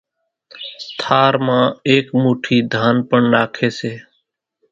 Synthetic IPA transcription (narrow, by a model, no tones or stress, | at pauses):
t̪ʰaːɾmãːeːkmuːʈʰiːd̪ʱaːnpəɳɾaːkʰeːseː